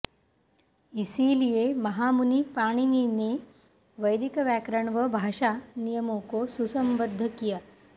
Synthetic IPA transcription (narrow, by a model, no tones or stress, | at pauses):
isiːlijemɐɦamunipaɽ̃inine | ʋəjd̪ikɐʋjakɾəɳʋəbʱaʂanijəmokosusɐmbəd̪ʱːəkija